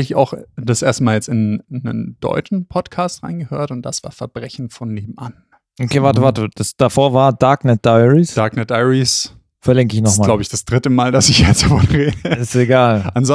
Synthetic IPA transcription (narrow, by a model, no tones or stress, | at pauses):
lɪça̰ʊxd̥asʔeːɐstmaːljɛt͡stɪnːə̰nd̥ɔ̰ʏt͡ʃn̩pʰɔtkʰaːstʁ̥a̰ɪnɡəhø̰ːɐtʊnt̚d̥asv̥a̰ːɐfɛɐb̥ʁɛçn̩fɔnleːbm̩ʔan | ʔokʰeːvaɐtəvaɐtəd̥asd̥afoːɐvaːɐd̥aɐknɛt̚d̥aɪʁisd̥aɐknɛt̚d̥aɪʁis | fɛɐlɪŋkəɪçnɔsmaːlaʊbəɪçd̥asd̥ʁɪtəmaːldasɪçjɛt͡sfɔnʁeːdəɪsteɡaːlʔanzɔ